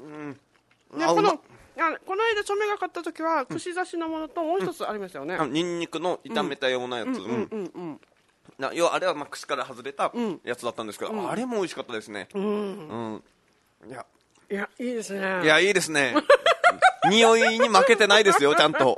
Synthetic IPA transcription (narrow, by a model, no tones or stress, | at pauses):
neonako̞noed̪at͡ɕo̞meɡakat̪ːat̪o̞kʲiβakɯ̟ɕizaɕinomo̞no̞t̪o̞mo̞ːçit̪o̞t͡sɨaɾʲimasjo̞ne̞anoɲ̟ĩɲːikɯ̟no̞it̪ãme̞t̪ajonaja̰t͡st͡sɨ̰̃ | a̰joβaːɾe̞βamakɯ̟̥ɕi̥kaɾahazɨɾe̞t̪ãjat͡sɨd̪at̪ːãnd̪esked̪oaɾe̞mo̞oiɕi̥kat̪ːad̪e̞sɨne̞̰ɯ̃ɯ̰̃ | ja | jaiːd̪esɨnejaiːd̪e̞sɨne̞ | ɲ̟io̞iɲ̟imake̞t̪e̞naid̪e̞sɨjo̞t͡ɕãnt̪o̞